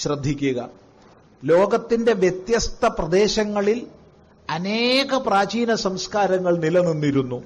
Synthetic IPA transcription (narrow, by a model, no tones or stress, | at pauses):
ɕrɐd̪ʱːikʲːuɣɐ | lo̞ːɡɐt̪ːinde̞ʋjet̪jɐst̪ʰɐprɐd̪e̞ːɕɐŋːɐɭil | ɐneːɣɐpraːd͡ʑiːnɐsɐmskaːɾɐŋːɐɭnilɐninːiɾunːu